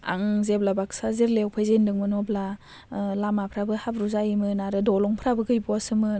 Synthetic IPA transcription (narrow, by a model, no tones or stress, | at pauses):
a̰ŋzeblabaksazeɾlewpʰajzendɯŋmɯnɔbla | lamapʰɾabɯhabɾuzajimɯnaɾɯdɔlɔŋpʰɾabɯɡɯjbuasɯmɯ